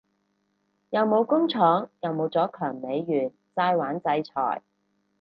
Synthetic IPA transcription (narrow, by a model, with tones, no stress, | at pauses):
jɐ˨˧wmo˨˧wkʊ˥ŋt͡sʰɔː˨˥ŋjɐ˨˧wmo˨˧wt͡sɔː˨˥kʰœː˨˩ŋme˨˧jːyː˨˩n | t͡saː˧jwaː˨˥nt͡sɐ˧jt͡sʰɔ̰ː˨˩j